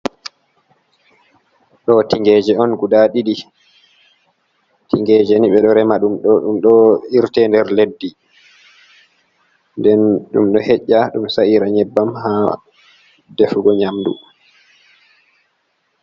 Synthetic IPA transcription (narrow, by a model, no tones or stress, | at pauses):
ɗɔtiŋɡɛd͡ʒɛɔnɡudaɗiɗi | tiŋɡɛːd͡ʒɛniɓɛɗɔɾɛmaɗumɗɔɗumɗɔiɾtɛndɛɾledːi | ndɛnɗṵmɗɔhɛʔːaɗumsaiɾaɲɛbːamha | defuɡɔɲamdṵ